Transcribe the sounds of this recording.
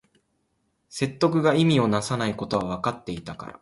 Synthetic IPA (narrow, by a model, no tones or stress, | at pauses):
se̞t̪ːo̞k̬ɯ̟ɡaimʲio̞nasanaiko̞t̪o̞βaβ̞akat̪ːe̞it̪aka̰ɾa̰